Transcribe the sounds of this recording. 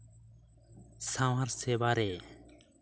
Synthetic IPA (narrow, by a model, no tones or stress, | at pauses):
sãwaɾseːbaːɾeː